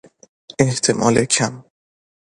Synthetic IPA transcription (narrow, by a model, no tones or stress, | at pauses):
eht̪ʰemʔɒ̰ːlekʰam